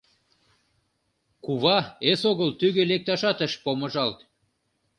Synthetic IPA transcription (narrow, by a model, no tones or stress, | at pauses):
kuβɑesoɣəlt̪yɣølek̚t̪ɑʃɑt̪əʃpoməʒɑlt̪